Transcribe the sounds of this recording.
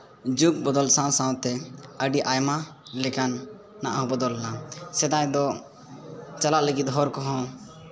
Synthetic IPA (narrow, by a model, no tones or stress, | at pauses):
d͡ʒuk̚bɔd̪ɔlsãwsãw̃t̪ɛəɖiʔajmalɛkanː | aʔaɦɔ̃bɔd̪ɔlnasɛd̪ajd̪ɔ | t͡ʃalaʔləɡit̪̚ˀɦɔɾkɔɦɔ̃